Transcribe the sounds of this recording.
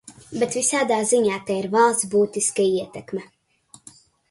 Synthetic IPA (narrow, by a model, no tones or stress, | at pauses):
bet̪visaːd̪aːziɲaːt̪ɛiɾvalˠsbuːt̪iskaiɛt̪ɛkmɛ